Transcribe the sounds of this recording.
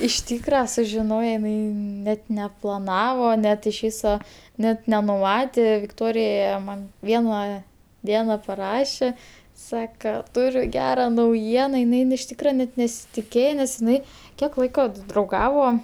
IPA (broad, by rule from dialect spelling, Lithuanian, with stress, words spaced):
ɪʃ ˈtʲiːkrɐ sʊʒʲɪˈnoːjɛ ɪˈnɐɪ nʲɛt nʲɛplˠɐˈnɑːʋoː ˈnʲɛt ɪʃ ˈʋʲiːsoː ˈnʲɛt nʲɛnʊˈmɑːtʲeː ʋʲɪkˈtoːrʲɪjɛ mɐn ˈʋʲiɛnɐ ˈdʲiɛnɐ pɐˈrɑːʃʲeː ˈsɑːkɐ ˈtʊrʲʊ ˈɡʲæːrɐ nɐʊˈjiɛnɐ ɪˈnɐɪ ɪn ɪʃ ˈtʲiːkrɐ nʲɛt nʲɛsʲɪtʲɪˈkʲeːjɛ nʲɛs ɪˈnɐɪ ˈkʲiɛk ˈlˠɐɪkoː t drɐʊˈɡɑːʋoː